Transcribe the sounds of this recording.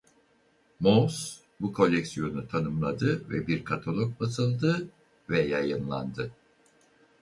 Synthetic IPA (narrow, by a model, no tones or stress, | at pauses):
mos | bukʰo̞lʲːɛksijo̞nut̪ʰanɯmlˠad̪ɯvɛbiɾkʰat̪ʰolˠok̚basɯlˠd̪ɯ | vɛjajɯnlˠa̰nd̪ɯ